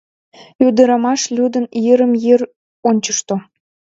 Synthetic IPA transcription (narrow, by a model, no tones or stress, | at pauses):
yd̪əɾɑmɑʃlʲud̪ə̆njeɾəmjer | onʲt͡ɕəʃt̪o